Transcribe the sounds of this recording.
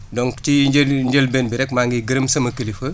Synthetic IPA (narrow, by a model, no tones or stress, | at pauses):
dɔŋktiɲd͡ʒɐlbɛːnbɪɾɛk̚maːŋɡiɡəɾɐmsɐmɐkɐlifɐ